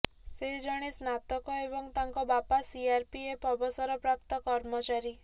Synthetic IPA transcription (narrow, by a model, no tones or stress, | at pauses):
seɦid͡ʒɔɽ̃esnat̪ɔkɔebɔŋt̪aŋkɔbapasiaɾpiepɔbɔsɔɾɔpɾap̚t̪ɔkɔɾmɔt͡ʃaɾi